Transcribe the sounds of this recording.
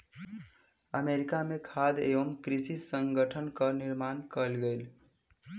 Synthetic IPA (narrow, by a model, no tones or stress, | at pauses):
əmeɾikamekʰad̪ḛbəmkɾisisəŋɡəʈʰənkəniɾmankəlɡejl